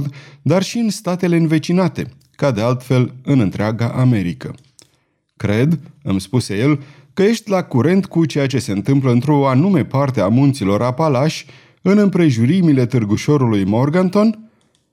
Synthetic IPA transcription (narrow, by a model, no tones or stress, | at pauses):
d̪d̪arʃiɨnst̪at̪e̞le̞ɨnve̞t͡ʃinat̪e̞̰ | kad̪e̞alt̪fe̞lɨnɨnt̪ɾeaɡaʔame̞ɾikə̰ | kɾe̞d̪ɨmspuse̞je̞l | kəje̞ʃt̪ʲlakuɾe̞nt̪kut͡ʃe̞jat͡ʃe̞se̞ɨnt̪ɨmpləɨnt̪ɾoanume̞part̪eamunt̪silo̞ɾapalaʃʲ | ɨnɨmpɾe̞ʒuɾimile̞t̪ɨrɡuʃo̞ɾulujmo̞rɡant̪o̞n